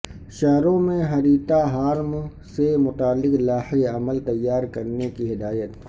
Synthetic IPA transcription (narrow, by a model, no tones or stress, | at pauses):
ʃɛɦɾõmẽɦɐɾiːt̪aɦaːɾm | semʊt̪aːlːɪklaːheɐməlt̪ɐjːaːɾkɐɾnekiɦɪd̪aːjət̪